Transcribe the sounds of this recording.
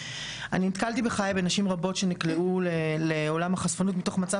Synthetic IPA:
aninit̪kalt̪ibeχajabenaʃimʁabo̞tʃe̞nikleuleleolamaχasfanutmit̪o̞χmat͡sa

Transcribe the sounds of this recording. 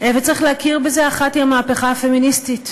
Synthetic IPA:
ʔevet͡sʁiχleakiʁbezeaχatiamaːpeχaafe̞ministit

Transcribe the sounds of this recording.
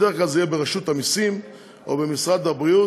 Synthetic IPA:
eklalzejebeʁaʃut̪amisim | o̰bemisʁad̪abʁiu

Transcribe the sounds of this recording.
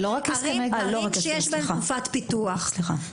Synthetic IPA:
loʁaksʁimeloakʃejeʃbseaufat̪pit̪uaχsliχa̰

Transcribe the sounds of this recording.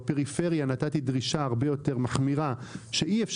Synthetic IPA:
peʁife̞ʁjanatat̪idʁiʃaaʁbe̞jo̞t̪e̞ʁmaχmiʁaʃeʔiefʃ

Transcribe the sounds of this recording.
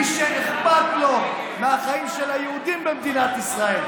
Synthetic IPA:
ʃeneχbat̪lo̞ | meaχaimʃelajeud̪imbemd̪inat̪isʁae̞l

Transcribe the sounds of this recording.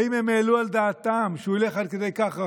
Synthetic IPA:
imemeluɐld̪aːt̪aːmʃulexɐɾked̪ɐjkaxɐ

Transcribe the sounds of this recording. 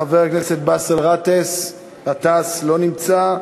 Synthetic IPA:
aveʁaknese̞t̪̚basalʁat̪es | at̪aslo̞nimt͡sa

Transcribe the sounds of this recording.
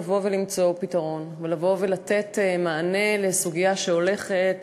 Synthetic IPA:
vo̞velimt͡so̞pitaʁo̞nvelavo̞velat̪e̞tmaːne̞le̞suɡijaʃeo̞le̞χet

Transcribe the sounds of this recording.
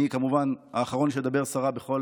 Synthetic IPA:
ikamuvana̰ːχaʁo̞nʃed̪abe̞ʁsaʁabeχo̞

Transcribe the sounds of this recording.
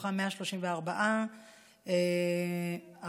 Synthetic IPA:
χameaʃloʃimveaʁbaʔa | e | a

